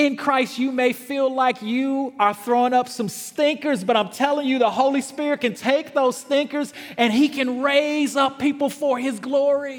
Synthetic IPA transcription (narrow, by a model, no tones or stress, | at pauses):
ɨ̃nkʰɹ̥aɪstɨmeɪfilaɪkjɨə˞θɹõʊ̃nʌpsʌ̃mstɪ̃ŋkə˞zbʌɾãɪ̃mtʰɛlˠɪ̃ŋjɨðəhoʊlˠispɪɹɨt̚kɨ̃ntʰeɪk̚ðoʊz̥stɪ̃ŋkə˞zɨ̃nikʰɨ̃nɹeɪzʌpʰːipl̩ˠfə˞ɪzɡlɔɹi